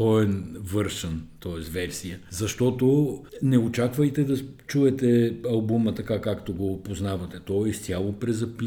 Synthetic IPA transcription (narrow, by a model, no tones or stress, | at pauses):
ɔɛnvɤɾʃənt̪ɔɛsvɛɾsijəzɐʃt̪ɔt̪onɛot͡ʃakvəjt̪ɛd̪ɐt͡ʃuɛt̪ɛɐlˠbumət̪ɐkakakt̪oɡopoznavɐt̪ɛt̪ɔist̪ʲjalˠopɾɛzɐpi